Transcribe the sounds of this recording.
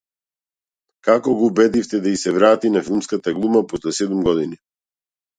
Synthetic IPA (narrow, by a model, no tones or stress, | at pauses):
kakɔɡɔubɛd̪ift̪ɛd̪aisɛvɾat̪inafilˠmskat̪aɡlˠumapɔslɛsɛd̪umɡɔd̪ini